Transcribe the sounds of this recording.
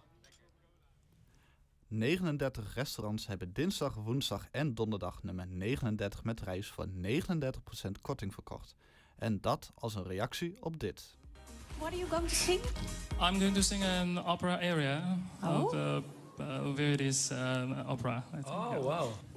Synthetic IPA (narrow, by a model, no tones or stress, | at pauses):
nejχənəndɛɹtəχrɛstorɑntshɛbəndɪnzdɑχʋunzdɑχɛndɔndəɹdɑ̰χnøməɹnejχənəndɛɹtə̥χmɛtrɛjsfʊ̰ːɹnejχənəndɛɹtəχprosɛntkʰɔɹtɪŋvəɹkʰɔ̰χt | ʔɛndɑtʰɑlˠs̬ənrejɑksiɔb̚dɪt | wɔtəjuɡoʊɪ̃ŋtusɪ̃ŋãj̃mɡoʊɪ̃ŋtusɪ̃ŋənɑpəɹaʔɛɹiə | ə | vɛɹiɾisɑpəɹaowaw